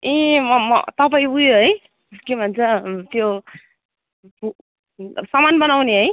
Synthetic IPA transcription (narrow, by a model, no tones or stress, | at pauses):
ĩmʌmʌ̰t̪ʌpajujoɦʌj | kemʱʌnt͡sʌt̪jo | u | sʌmanbʌnawniɦəj